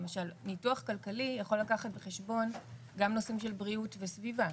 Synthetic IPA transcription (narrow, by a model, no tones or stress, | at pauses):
emaʃalnituaχkalkalijaχo̞lakaχatbeχeʃbo̞n | ɡamno̞simʃe̞lbʁiutvesviva